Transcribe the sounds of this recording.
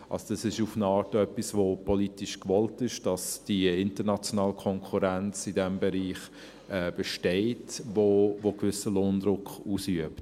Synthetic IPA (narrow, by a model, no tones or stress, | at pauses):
ʔɑ̰lsod̥ɑsɪʃufnɑːɾtœpːisvopʰɔlitiʃkvɔltɪʃd̥ɑsd̥iɪntənɑt͡sjonɑːlkʰɔŋkʰuɾænt͡sidɛmbɛɾiːχ | ɛːb̥ɛʃteɪtvovokvʏsəloːndɾʊkχuːsyəpt